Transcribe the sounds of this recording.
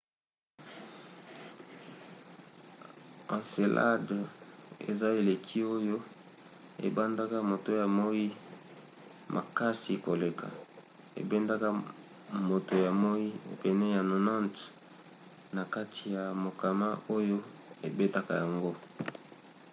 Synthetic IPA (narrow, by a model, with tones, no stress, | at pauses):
ã˨se˨lʔa̰˦d | ḛ˨za˦e˨le˨kʰi˦o˦jo˦ | ḛ˨ba˦nda˦ka˦mo˨to˦ja˨mo˦i˦ | mʔa̰˨ka˦si˨ko˨le˨kʰa̰˨ | ḛ˨bɛ˦nda˦ka˦ | mo˨to˨ja˨mo˦i˦˨pɛ˨nɛ˦ja˨no˨nã˦nt | na˨ka˦tʰi˨ja˨mo˨ka˨ma˦o˦jo˦e˨be˦ta˦ka˦ja˨ŋɡo˦